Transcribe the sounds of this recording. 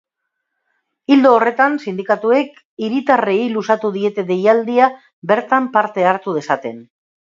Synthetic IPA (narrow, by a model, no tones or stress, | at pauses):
ild̪o̞ːre̞t̪ansind̪ikat̪ue̞k | iɾit̪areilusat̪uðie̞t̪e̞ðe̞jald̪ia | be̞ɾt̪ampaɾt̪e̞aɾt̪uðe̞sat̪e̞n